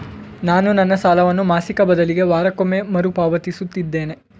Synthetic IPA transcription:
naːnunɐnːɐsaːlɐʋɐnːumaːsikɐbɐd̪ɐliɡe̞ʋaːɾɐkomːemɐɾupaːʋɐt̪isut̪ːid̪ːe̞ːne̞

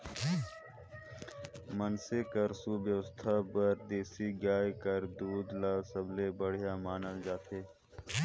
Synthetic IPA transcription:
mənsekəɾsubjəʋəst̪ʰabəɾd̪eːsiɡaːjkəɾd̪uːd̪laːsəblebəɽ̤ijamaːnəld͡ʒaːt̪eː

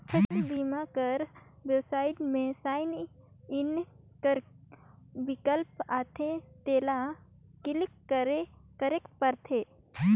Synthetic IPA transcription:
kʰətibimakəɾʋjewsaːɪʈmẽsaɪn | ɪn | kəɾ | bɪkəlpat̪ʰet̪eːla | kɪlikːəɾekəɾekpəɾt̪ʰe

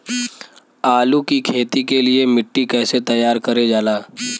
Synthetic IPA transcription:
aːlukikʰeːt̪ikeliemɪʈːikɛːset̪ɐjːaːɾkəɾed͡ʒaːlaː

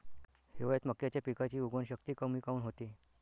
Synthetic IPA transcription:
heʋɭet̪məkːjat͡ɕjapikat͡ɕiːuɡʋənɕəkt̪iːkəmiːkauːnɦot̪iː

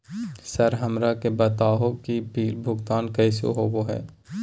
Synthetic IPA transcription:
sɐɾɦɐmɾakebɐt̪aːɦõkibʱiːɾbʱʊɡt̪aːnkɛːso̰ɦoːɡoɦɛ̰ː

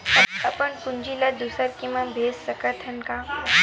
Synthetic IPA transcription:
əəpəɳkuɲd͡ʑilad̪usəɾkĩw̃ʋabʱesːəkəɾt̪ʰənka

